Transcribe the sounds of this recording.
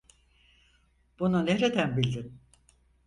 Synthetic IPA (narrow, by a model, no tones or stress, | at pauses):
b̥ununeɾed̪ænbilʲd̪in